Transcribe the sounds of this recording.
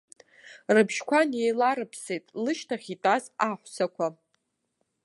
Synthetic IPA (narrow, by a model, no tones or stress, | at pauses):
rɨbʃkʷʰanejlaɾɨpʰse̞jtʼlɨʃtʰaχʲitʼazaħʷsakʷʰa